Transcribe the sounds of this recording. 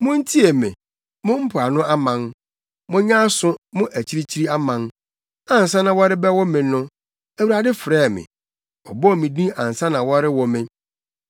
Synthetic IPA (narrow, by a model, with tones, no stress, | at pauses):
mʊ̃˦n̩˦tʰi˦e˨mɪ̰̃˨ | mʊ̃˦m̩˦pʰʊ˨a˨nʊ̃˦a˦mã˨n | mʊ̃˦ɲã˦sʊ̃˦mʊ̃˦ʔæ˨t͡ɕʰi˦ɾi˦t͡ɕʰi˦ɾi˦a˦mã˨n | ã˨n˨sã˦nã˨wɔ˦ɾɪ˦bɛ˦wɔ˦mɪ̃˨˦nʊ̃˦ | æ˨wu˨ɾa˨dɪ˦fɾɛː˦˨mɪ̰̃˨ | ɔ˨bɔ˦˨mĩ˨dĩ˦ã˨n̩˨sã˦nã˨wɔ˦ɾɪ˦wɔ˨mɪ̃˦